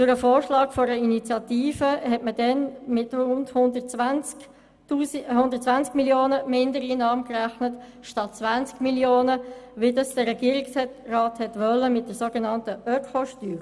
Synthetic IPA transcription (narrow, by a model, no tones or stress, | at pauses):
t͡sʊɾəfoːɹʃlɑːɡfɔɾəinit͡sjɑtiːfəhɛtmədɛnmɪtrʊndhʊndən | uːhʊndərtt͡sʋænt͡skmiljoːnəmɪndəɾiːnɑːmkræχnət | ʃtɑtt͡sʋant͡skmiljoːnəʋidɑsd̥əɾɛɡiːəɾikshɛtrɑːthɛtʋœlːəmɪt̚d̥əsoɡenɑntəœkʰɔʃtyː